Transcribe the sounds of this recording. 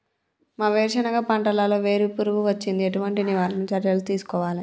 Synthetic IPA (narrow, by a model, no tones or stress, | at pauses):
maːʋɛːɾʂɐnɐɡaːpɐɳʈɐlaːloːʋe̞ːɾupuɾuʋuʋɐt͡ʃːind̪ieʈuʋɐɳʈiniʋaːlɐnut͡ʃɐɾjɐlut̪iːsu̥kɔːʋaːli